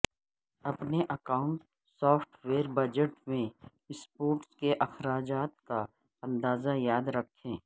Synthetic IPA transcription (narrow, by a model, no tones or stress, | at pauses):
ɐpneʔɐkaːʊ̃ɳʈ | sɔːfʰʈʰweːɾbɐd͡ʒəʈmẽ | ɪspoːʈskeʔɐxɾaːd͡ʒaːt̪̚ka | ɐ̃nd̪aːzajaːd̪ɾɐkʰːẽː